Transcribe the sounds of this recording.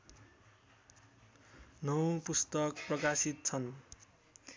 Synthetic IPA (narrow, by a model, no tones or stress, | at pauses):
nʌwpust̪ʌkprʌkasit̪̚t͡sʰʌn